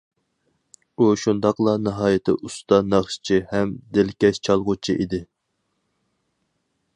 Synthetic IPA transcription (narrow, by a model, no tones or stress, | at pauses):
uʃund̪ɑqlˠɑnɨɦɑːjɪt̪ʰɪ̰ʔust̪ɑnɑχʃt͡ʃʰihɛmd̪ɪlkʲɛʃt͡ʃʰɑlˠʁʊt͡ʃʰiʔid̪ɪ